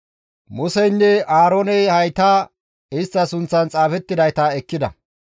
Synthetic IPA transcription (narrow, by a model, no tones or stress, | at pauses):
mʊsɛjnːɛʔaːɾoːnɛjhɐjt̪aː | ɪst̪ːɐsʊnt͡sːɐnt͡sʼaːfɛt̪ːɪd̪ɐjt̪ɐɛkːɪd̪ɐ̰